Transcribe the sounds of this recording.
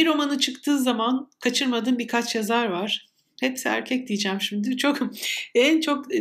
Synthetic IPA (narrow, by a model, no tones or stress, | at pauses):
iɾo̞manɯt͡ʃʰɯkt̪ʰɯːzamankʰat͡ʃʰɯɾmad̪ɯːnbiɾkʰat͡ʃjazaɾvaɾ̥ | hɛpsiæ̰ɾcʰɛc̚d̪ijid͡ʒæmʃimd̪yt͡ʃʰokɛnt͡ʃʰo̞k